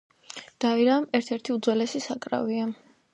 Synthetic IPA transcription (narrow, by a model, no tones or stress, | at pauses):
d̪̥aiɾaːmɛɾt̪ʰɛɾt̪ʰiud̪zwɛlɛsisakʼɾa̰via